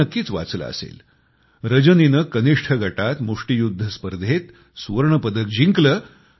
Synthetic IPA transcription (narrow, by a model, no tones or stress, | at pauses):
əkːiːt͡sʋa̰t͡slə̰ə̰sḛl | ɾəd͡ʑəninəkəniʂʈʰəɡʱəʈat̪muʂʈijud̪ʱːəspəɾd̪ʱet̪ | sʋəɾɳəpəd̪ək̚d͡ʑiŋklə